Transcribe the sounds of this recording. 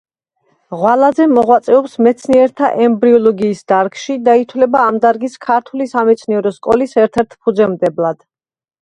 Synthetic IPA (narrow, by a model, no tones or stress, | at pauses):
ʁwalazɛmɔʁwat̪sʼɛɔpsmɛt̪sʰniɛɾt̪ʰaʔɛmbɾiɔlˠɔɡiːsd̪aɾɡʃid̪ait̪ʰwlɛbaːmd̪aɾɡiskʰaɾt̪ʰulisamɛt̪sʰniɛɾɔskʼɔlisɛɾt̪ʰɛɾt̪ʰpʰud̪zɛmd̪ɛblˠad̪̥